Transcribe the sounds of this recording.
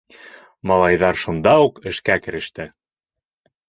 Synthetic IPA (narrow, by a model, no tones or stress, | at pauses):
mɑlˠɑjðɑɾʃund̪ɑuqɘ̆ʃkækɘ̆ɾɘ̆ʃt̪ɘ